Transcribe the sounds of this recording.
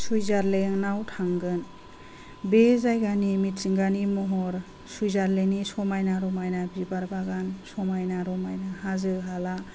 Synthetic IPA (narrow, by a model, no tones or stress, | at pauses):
sujzaɾleŋnawtʰaŋɡɯn | bezajɡanimitsɯŋɡanimɔɦɔɾ | sujzaɾlenisɔmajnaɾɔmajnabibaɾbaɡansɔmajnaɾɔmajnahazɯɦala